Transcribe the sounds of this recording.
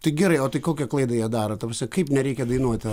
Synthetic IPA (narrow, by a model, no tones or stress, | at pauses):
t̪ɐɪɡʲɛɾɐɪoːt̪ɐɪkoːkʲɛklˠɐɪd̪ɐjɛːd̪ɑːɾɐt̪ɐprɑsʲnʲɛkɐɪpnʲɛɾʲɛɪkʲɛd̪ɐɪnuɔt̪ʲ